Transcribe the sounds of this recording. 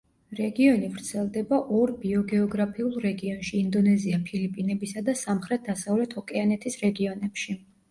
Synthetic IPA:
ɾɛɡiɔnivɾt̪sʰɛlˠd̪ɛbaʔɔɾbiɔɡɛɔɡɾapʰiulˠɾɛɡiɔnʃiːnd̪ɔnɛziapʰilipʼinɛbisad̪asamχɾɛt̪̚ʰd̪asavlɛt̪ʰɔkʼɛanɛt̪ʰisɾɛɡiɔnɛpʃi

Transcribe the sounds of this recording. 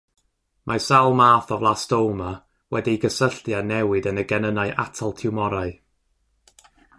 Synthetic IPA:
mʔasalˠmaːθɔvlˠastowlˠma | wɛdiɡəsəɬtjanɛwɪdənəɡɛnənaɨʔatʰalˠtʰɪwmɔɾaɨ

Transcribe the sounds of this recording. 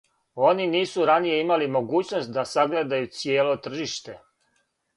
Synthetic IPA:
o̞niniːsuɾanije̞imalimo̞ɡuːt͡ɕnost̪̚d̪asaɡle̞d̪ajut̪sjeːlo̞t̪r̩ʒiʃt̪e̞

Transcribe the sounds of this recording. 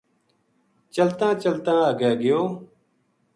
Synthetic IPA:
t͡ʃəlt̪ãːt͡ʃəlt̪ãːəɡɛːɡɪjõː

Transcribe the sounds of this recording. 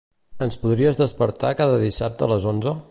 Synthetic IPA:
ənspuðɾiəzðəspəɾt̪akaðəðisap̚t̪əːləzonzə

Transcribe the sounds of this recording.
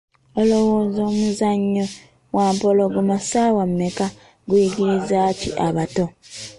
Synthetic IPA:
olowoːzo̞ːmuzaɲːo | waːmpo̞lo̞ɡumasaːwamːeka | ɡujiɟiɾizacḭʔaβato̞

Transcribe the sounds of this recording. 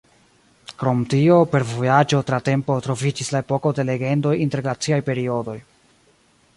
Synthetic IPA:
kɾo̞mtio̞pe̞ɾvo̞jad͡ʒo̞tɾate̞mpo̞tɾo̞vid͡ʒislae̞po̞ko̞de̞le̞ɡe̞ndo̞jinte̞ɾlat͡siajpe̞ɾio̞do̞j

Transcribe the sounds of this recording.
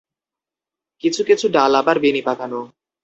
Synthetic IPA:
kit͡ɕʰukit͡ɕʰuɖalabaɾbenipakano

